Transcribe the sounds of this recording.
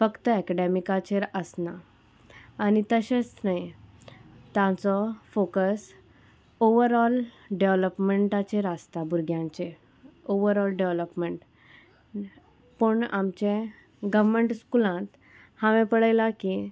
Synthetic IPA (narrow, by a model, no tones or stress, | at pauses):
fəkt̪əɛkɛɖemikat͡ɕeɾəsnaː | ñit̪əɕẽt͡snaj | t̪jãt͡sɔfokəs | oʋəɾɔl | ɖeʋləpmeɳʈat͡ɕeɾəst̪abʱuɾɡʱjãɲt͡ɕe | oʋəɾɔlɖeʋləpmeɳʈ | pəɳa̰mt͡ɕẽ | ɡəʋmeɳʈskulãt̪ | hãʋẽpəɽajlaki